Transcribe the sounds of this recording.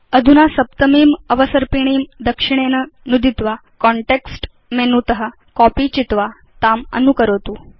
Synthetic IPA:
əd̪ʱunasəpt̪əmiːməʋəsəɾpiɳ̃iːmd̪əkʂiɳ̃enənud̪ʱit̪ʋa | kɔɳʈeksʈ | menut̪əɦə | kɔpit͡ɕit̪ʋa | t̪amə̰nukəɾət̪uː

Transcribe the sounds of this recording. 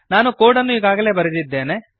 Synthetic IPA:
naːnukoːɽɐnːuiːɡaːɡɐle̞ːbɐɾɐd̪id̪ːe̞ːne

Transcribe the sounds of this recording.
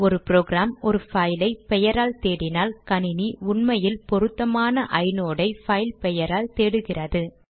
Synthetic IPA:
ɔɾɯpɾoːɣɾaːmɔɾɯfɐɪlɐɪpɛjɐɾaːlt̪eːɽɪnaːlkɐɳɪniʊɳmɐjɪlpɔɾɯt̪ːɐmaːnɐʔɐɪnoːɽɐɪfɐɪlpɛjɐɾaːlt̪eːɽɯɣɪrɐðɯ

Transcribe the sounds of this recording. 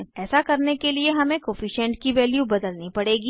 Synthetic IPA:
ɛːsakɐɾnekelieɦɐmẽkoːfiʃɛ̃ɳʈ̚kiʋɛːljubɐd̪əlnipɐɽeːɡi

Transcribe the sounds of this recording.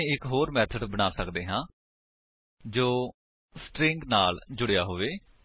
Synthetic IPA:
ẽɪkɦoːɾmɛːt̪ʰəɖbəɽ̃aːsəkd̪eːɦãː | d͡ʒoː | sʈɾɪ̃ŋɡnaːld͡ʒʊɽejaːɦoːʋeː

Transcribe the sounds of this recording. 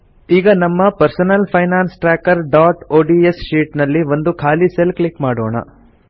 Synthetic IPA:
iːɡɐnɐmːɐpɐɾsɐnɐlpʰɐjnaːnsʈɾaːkɐɾɖaːʈoːɖiesʃiːʈnɐlːiʋo̞nd̪ukʰaːliselklikmaːɽoːɳɐ̰

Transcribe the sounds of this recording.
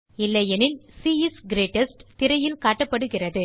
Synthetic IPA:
ɪlːɐjɛnɪlsiːɪsɡɪɾeːʈːɐsʈt̪ɪɾɐjɪlkaːʈːɐpːɐɽɯɣɪrɐðɯ

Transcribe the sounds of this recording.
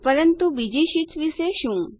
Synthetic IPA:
pəɾənt̪ubid͡ʒiʃisʋiʃeʃũː

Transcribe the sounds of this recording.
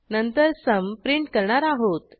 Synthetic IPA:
nənt̪əɾsəmpɾiɳʈkəɾɳaɾaɦot̪

